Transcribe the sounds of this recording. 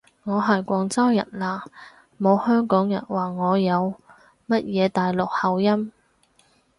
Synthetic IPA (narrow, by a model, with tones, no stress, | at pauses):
ŋɔː˨˧ɦɐ˨˩jkʷɔː˨˧ŋt͡sɐ˥wjɐ̰˨˩nlaː˧ | mo˨˧whœː˥ŋkɔː˨˥ŋjɐ̰˨˩nwaː˨ŋɔː˨˧jɐ˨˧w | mɐ˥t̚jɛː˨˧t̪aː˨jlʊ˨k̚hɐ˨wjɐ˥m